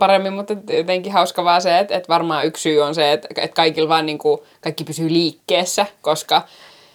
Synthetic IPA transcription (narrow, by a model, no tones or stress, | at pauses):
pɑɾemːimmut̪et̪jot̪eŋkihɑuskɑʋɑːseet̪et̪ʋɑrmɑːyksyːonseet̪ḛt̪kɑikilʋɑːniːŋku | kɑikːipysyːliːkːeːsːækoskɑ